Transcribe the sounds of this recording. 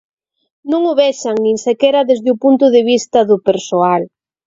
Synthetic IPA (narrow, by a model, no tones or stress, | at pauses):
nũŋʊβɛʃɐŋnĩŋsekɛɾɐðezðɪʊpunt̪ʊðɪβ̞ist̪ɐðʊpeɾsoal